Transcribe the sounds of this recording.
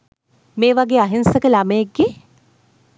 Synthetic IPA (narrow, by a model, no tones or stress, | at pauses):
meːʋaɡeːaɦinsəkəlaməekɡe